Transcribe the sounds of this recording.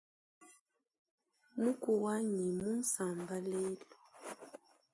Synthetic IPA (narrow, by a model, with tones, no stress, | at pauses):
mu˦ku˨wa˦ɲi˨mu˦n̩˦sa˨mba˦lɛ˦lu˨